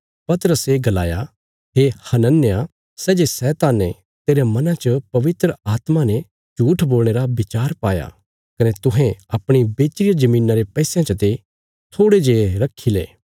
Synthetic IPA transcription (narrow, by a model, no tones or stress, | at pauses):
pɐt̪əɾəseɡɐla̰ːja | ɦehɐnənːja | sɛːd͡ʒesɛːt̪aːnːe | t̪eːɾemɐnãt͡ʃəpɐʋɪt̪ɾəaːt̪manɛ | d͡ʒuːʈʰboːlɽ̃eːɾabɪt͡ʃaːɾpaːja̰ | kɐnet̪ʊɦɛ̃ɐpɽ̃ibeːt͡ʃɾɪjad͡ʒɐmiːnaɾepɛːsjãt͡ʃɐt̪e | t̪ʰoːɽed͡ʒeːɾɐkʰːilḛː